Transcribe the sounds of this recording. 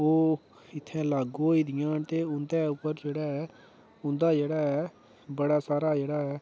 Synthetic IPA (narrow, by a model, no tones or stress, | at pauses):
oː | ɪt̪ʰːɛ̃ːlaːɡoːiːd̪ɪjãːnt̪eːʊnd̪ɛːʊpːəɾd͡ʒeːɽaːɦɛː | ʊ̃nd̪aːd͡ʒeːɽaːɦɛː | bəɽaːsaːɾaːd͡ʒeːɽaːɛː